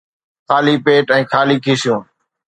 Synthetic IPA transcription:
kʰaːliːpeːʈɛ̃ːkʰaːliːkʰiːsɪjũː

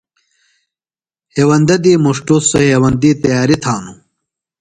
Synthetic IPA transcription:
heːwɐnd̪ɐd̪iːmuʂʈusɐhewɐnd̪iːt̪ɐjaːɾit̪ʰaːnu

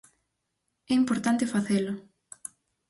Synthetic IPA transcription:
ɛimpoɾt̪ant̪efaθelʊ

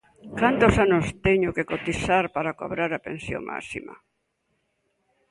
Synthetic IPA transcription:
kant̪osanost̪ɛɲʊkekot̪isaɾpaɾako̰βɾaɾapẽnsjo̰ŋma̰sḭma̰

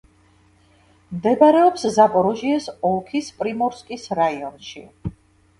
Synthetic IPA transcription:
md̪ɛbaɾɛɔpszapʼɔɾɔʒiɛsɔlˠkʰispʼɾimɔɾskʼisɾaiɔnʃḭ

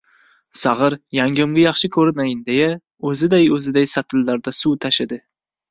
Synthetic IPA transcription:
sɑʁɨɾjaŋɡʲʊmɡʲɪjɑχʃɪkʰɵɾɪnajɪnd̪eja | ɵzɪd̪ajɵzɪd̪ajsat̪ʰɪlːaɾd̪asuwt̪ʰaʃɪd̪ɪ

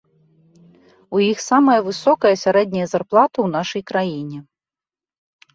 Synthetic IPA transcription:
ujixsamɐjɐvɨsɔkɐjɐsʲaɾɛd̪̚ʲnʲɐjɐzarplˠat̪ɐwnaʂɐjkɾajinʲɛ

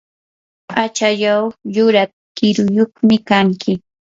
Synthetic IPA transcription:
at͡ʃajawjʊɾat̪ | kɪɾʊjoχmɪkaŋkʰɪ

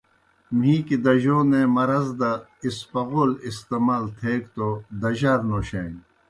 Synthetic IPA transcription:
m̤ɦĩːkid̪ɐʑoːnemɐɾɐzd̪ɐispɐɣolist̪emaːlt̪ʰeːkt̪od̪ɐʑaɾnoːɕẽːŋ

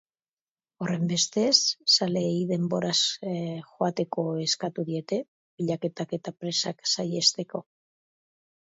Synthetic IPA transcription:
o̞re̞mbe̞st̪e̞sːale̞iðe̞mbo̞ɾasxo̞at̪e̞ko̞e̞skat̪uðie̞t̪e̞ | βiʎake̞t̪ake̞t̪apɾe̞saksaje̞st̪e̞ko̞

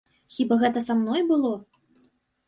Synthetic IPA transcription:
xʲibaɣɛt̪ɐsamnɔjbɨlˠɔ

